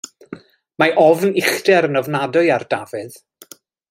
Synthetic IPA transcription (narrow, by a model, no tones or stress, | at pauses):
maʔɔvnɪχdɛɾənɔvnadʊɨardavɨð